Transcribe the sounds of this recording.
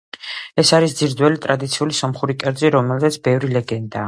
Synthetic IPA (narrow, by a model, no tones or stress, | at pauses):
ɛsaɾisd̪ziɾd̪wɛlit̪ʼɾad̪it̪sʰiulisɔmχuɾikʼɛɾd̪ziɾɔmɛlˠzɛt̪sʰbɛvɾilɛɡɛnd̪aː